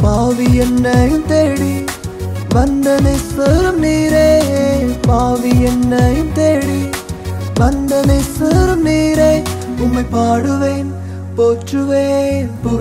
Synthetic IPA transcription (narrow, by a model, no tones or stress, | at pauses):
paːʋijɛnːɐjɯmt̪eːɽi | ʋɐnd̪ɐnɐsɐɾɯmniːɾeː | paːʋijɛnːɐjɯmt̪eːɽi | ʋɐnd̪ɐnɐsɐɾɯmniːɾɐ | ʊmːɐɪpaːɽɯʋeːn | poːʈrɯʋeːnpo